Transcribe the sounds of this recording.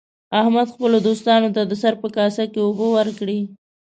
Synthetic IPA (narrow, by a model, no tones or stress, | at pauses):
ahmad̪xpəlod̪ost̪ɑnot̪ad̪əsaɾpəkɑsakeobowəɾkɽi